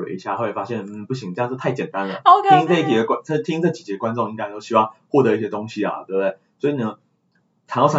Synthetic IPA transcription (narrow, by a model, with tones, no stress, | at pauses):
ḛ˨˧˦i˧˥ɕja˥˩xa˥˩e˨˩fa˥ɕjɛ˥˩nn̩˥˩pu˥˩ɕ̬i˧˥ŋə˥˧ɑ˥˧ʂ̩˥˧t̪ʰa˥˩ɪt͡ɕjɛ˨˩nt̪a˦nlə˨o˧k̪i˥ŋp̪e˥˧i˥t̪ʰi˨d̪ə˦ka˥˨˩t̪ʰi˥ŋt͡sɤ˥˩t͡ɕi˨˩t͡ɕjɛ˨˩kwa˦nʈ͡ʂo˥˧ŋi˥ŋka˥ɪ˩˧o˥ʊɕi˧˥wɑ˥˧ŋxwɔ˥˩t̪ɤ˧˦i˥˩ɕjɛ˥t̪o˥ŋɕi˦ɐ̰˨˩t̪we˥˧˩bə˩t̪e˥˩swɔ˧˥i˨˩nə˧˦ | t͡ɕʰa˨˩ŋjʊɑ˥